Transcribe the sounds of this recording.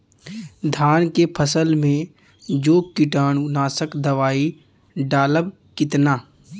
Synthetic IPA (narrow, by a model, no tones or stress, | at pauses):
d̪ʱaːnkepʰəsəlmẽ | d͡ʒoːkɪʈaːnʊnaːsəkd̪ɐʋaːi | ɖaːləb | kɪt̪naː